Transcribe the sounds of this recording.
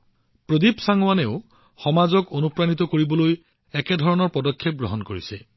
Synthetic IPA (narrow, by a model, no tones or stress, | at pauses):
pɹod̪ipsaŋwaneʊ | xɔmazɔkonupɹanit̪ɔkoɹibɔloj | ɛkedʱɔɹɔnɔɹpɔdɔkʰːep̚ɡɹɔɦɔnkoɹise